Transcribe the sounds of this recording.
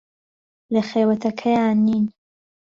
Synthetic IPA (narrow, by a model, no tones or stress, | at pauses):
lɐχeːwɐt̪ʰɐkʰɐjanːiːn